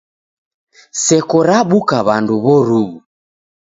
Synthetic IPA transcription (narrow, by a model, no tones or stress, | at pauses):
sɛkɔɾaɓukaβanduβɔɾuβu